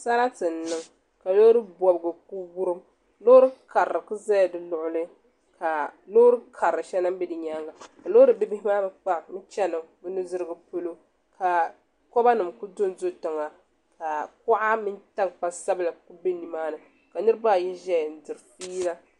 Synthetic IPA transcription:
sa˦ɾa˦tɨ˨n̩˦nːɨ˦ŋ | ka˨lo˦ɾɨ˦bɔ˨bɨ˨ɡɨ˨ku˦bu˦ɾɨ˦m | lo˦ɾɨ˦ka˨ɾɾɨ˨kɨ˦za˦jdɨ˨lʊ˦˨ʔʊ˦lɨ˦ | ka˨lo˦ɾɨ˦kʰa˨ɾɨ˨ʃɛ˦na˦m˦bi˦dɨ˨ɲa˦ŋɡa˨ka˨lo˦ɾɨ˨bɪ˦bɪ˦hɪ˦maː˦bɨ˦k͡pa˦˨mɨ˦t͡ʃɛ˦nɨ˨bɨ˦nu˦zɨ˦ɾɨ˦ɡɨ˦po˦lo˦ | ka˨ | kɔ˦ba˦nɨ˨mku˦do˦n˦zo˦tɨ˨ŋa˨ | ka˨kʊ˦ʔa˦mɪ˦nta˦ŋk͡pa˦sa˦bɨ˦la˨ku˦be˦ni˨maː˦nɨ˨ | ka˨nɨ˦ɾɨ˦ba˦˨ji˦ʒɛ˦jn̩˨˦dɨ˨ɾfiː˦la˦

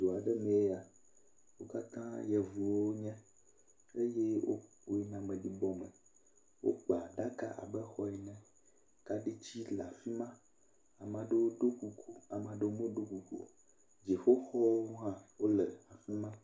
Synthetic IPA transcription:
d̪o˨a˨ɖɛ˦mɛ̃˨e˦a˨ | wo˦ka˦t̪ã˦jɛ˨vu˨wo˦ɲɛ̃˦ | e˦je˦o˦ | o˦i˦nã˦mɛ̃˨ɖi˦bɔ˦mɛ̰̃˨ | wʔo̰˦k͡pa˨ɖa˦ka̰˦ʔa̰˨bɛ˦xɔ˦ɛ˨nɛ̃˦ | ka˦ɖe˦t͡ɕi˦la˨fi˦mã˦ | a˨mã˨ɖe˦wo˦ɖo˦ku˨ko˨a˨mã˨ɖe˦wo˦mẽ˦ɖo˦ku˨ko̰˨ | d͡ʒe˨fo˦xɔ˦wo˦ɦã˦wo˦lɛ˨a˨fi˦mã˦

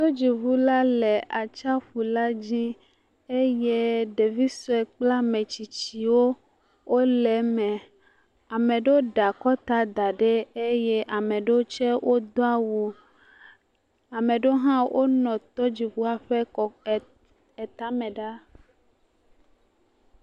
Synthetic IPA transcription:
t̪o˦d͡ʑi˨βu˦la˦le˨ʔa˨t͡ʃa˦ɸu˨la˦d͡ʑi˦ | e˦je˦ɖe˨vi˦sɔ˦ɛ˨k͡pla˦mẽ˨t͡ɕi˨t͡ɕi˨wo˦ | wʔo˦lɛ˨˦mɛ̃˨ | a˨mẽ˨ɖe˦wo˦ɖa˨kɔ˦t̪a˦d̪a˨ɖe˦e˦je˦ʔa˨mẽ˨ɖe˦wo˦t͡ʃɛ˦wʔo˦d̪o˦a˦wu˦ | a˨mẽ˨ɖe˦ɦã˦wʔo˦nɔ̃˨t̪ɔ˦d͡ʑi˨ɸu˦a˨ɸe˦kɔ˨ | e˨t̪a˦mɛ̃˨ɖa˦

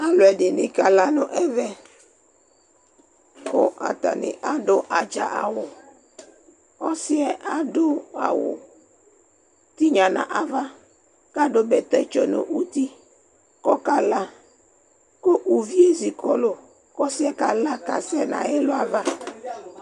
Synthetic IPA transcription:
a˦lʊ˨ɛ˨dɪ˨nɪ̃˨ka˨la˨nʊ̃˦ʔɛ˦vɛ˦ | kʊ̰˦ʔa̰˨t̪a̰˨nɪ̰̃˨ʔa˦ɖʊ˦ʔa˨d͡ʒa̰˨ʔa̰˨wʊ˨ | kɔ˦sɪ˦ɛ˦ʔa˨dʊ˦a̰˨wʊ̰˨ | t̪i˦ɲã˨nã̰˨ʔa˨va˦ | ka˦dʊ˦bɛ˨t̪ɛ˦t͡ʃɔ˨nʊ̰̃˨ʔu˦t̪i˦ | kɔ˦ka˨la˦ | ko˦ʔu˨vi˦e˦zi˨kɔ˦lo˦ | kɔ˦sɪ˦ɛ˦ka˨la˦ka̰˨sɛ˦nã̰˨jɛ˦lʊ˦a˨va˦

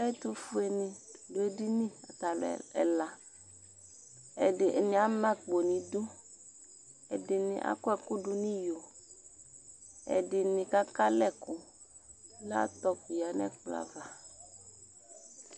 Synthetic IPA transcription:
a˦e˦t̪u˦fʊ˦e˨nɪ̃˨lʊ˨e˦di˦nĩ˦a̰˨t̪a˨lo˨ɛ̰˨ɛ̰˨la˨ | ɛ̰˨dɪ˨ʔe˨nɪ̃˨a˨˦mɛ̃˦k͡po˨nĩ˨d̪u˦ | ɛ̰˨dɪ˨nɪ̃˨ʔa̰˨kʊ˦ɛ˨kʊ˦ɖʊ˨nĩ˦jo˨ | ɛ̰˨dɪ˨nɪ̃˨ka˦ka˦lɛ˦˨kʊ˨ | la̰˦t̪ɔ˦ku˨ja˨nɛ̰˦k͡pla̰˨va˨

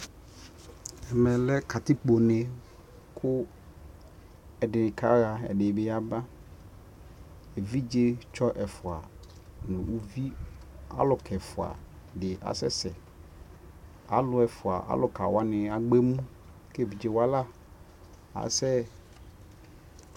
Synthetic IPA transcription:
ɛ˨mɛ̃˨lɛ˦kʰa˨t̪ɪ˦k͡po˨nɛ̃˨ | kʰʊ˦ | ɛ˨dɪ˨nɪ˨kʰa˦ɣa˨ɛ̰˨ɖɪ˨be˨ja˦ba˦ | e˨vi˦d͡ʒe˦t͡ʃɔ˦ʔɛ˨fʊ˨a̰˨ | nʊ̃˨ʔu˦vi˦a̰˦lʊ˨kʰɛ˨fʊ˨a̰˨ | dɪ˨ʔa̰˨sɛ˦sɛ˨ | a˨lʊ˨ɛ˨fʊ˨a̰˨ʔa̰˦lʊ˨ka˨wa˦nɪ̃˨a˨ɡ͡be˦mũ˦ | ke˦˨vi˨d͡ʒe˨wa˦la˦ | a̰˨sɛ˦

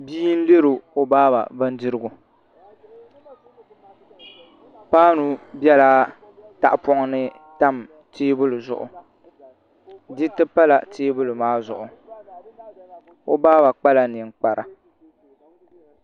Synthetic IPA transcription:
biː˦n̩˦le˦ɾo˨o˨baː˦ba̰˨ba˦n˦dɪ˦ɾɨ˦ɡʊ˨ | paː˦nu˨bɛ˦laː˦ | ta˨ʔpɔ˦ŋ˦nɨ˦ | ta˦m | teː˦bʊ˦lʊ˨zʊ̰˨ʔʊ̰˨ | dɪ˦tɨ˦pa˦la˨tʰeː˦bʊ˦lʊ˨maː˦zʊ̰˨ʔʊ˨ | o˦baː˦ba˨k͡pa˦la˨nɪ˨ŋ˨k͡pa˨ɾa˨

